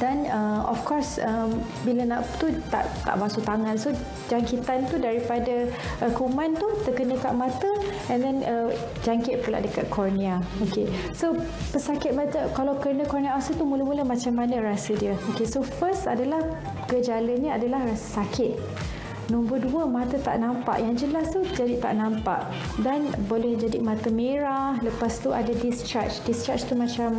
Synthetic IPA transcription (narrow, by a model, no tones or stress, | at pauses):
d̥anəɔ̰fkɔrsəm | bilənaʔt̪ut̪a̰ʔt̪a̰ʔbasok̚t̪aŋãnso | d͡ʒaŋkit̪ant̪udaɾipada | ʔəkumãnt̪ut̪əkənə̃ka̰ʔmãt̪əɛ̃ndɛnə | d͡ʒaŋkɪt̪̚pəla̰ʔdəkat̪̚kʰɔrniaoke | so | pəsakɪt̪̚mat̪əkalawkərnakɔrniaasət̪umuləmuləmãt͡ʃamːanə̃ɾasədiəokesofəst̪a̰dalah | ɡəd͡ʒalənəadalahrasə̥sakʰɪt̪̚ | nɔ̃mbərduəmat̪ət̪a̰ʔnampa̰ʔjaŋd͡ʒəlast̪ud͡ʒadit̪a̰ʔnampa̰ʔ | danbolɛhd͡ʒadimat̪əmeɾahləpast̪uʔa̰dadist͡ʃa̰t͡ʃdist͡ʃat͡ʃt̪umãt͡ʃam